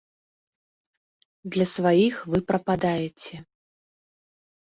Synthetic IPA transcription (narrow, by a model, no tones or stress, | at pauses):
d̪lʲɐsvajixvɨpɾɐpad̪ajɛt͡sʲɛ